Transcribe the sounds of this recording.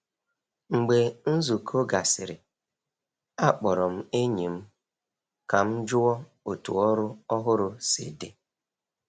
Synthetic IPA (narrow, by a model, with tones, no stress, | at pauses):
ŋ͡m̩˨ɡ͡be˨n̩˦zu˨kʰo˦ɡa˨sɪ˨ɾɪ˨ | a˦k͡pɔ˨ɾɔ˨m̩˦e˦ɲi˨m̩˦ | ka˨m̩˦d͡ʒʊ˦ɔ˦ | o˨tṵ˨ɔ˦ɾʊ˦ɔ˦ɦʊ˦ɾʊ˨sḭ˨de˦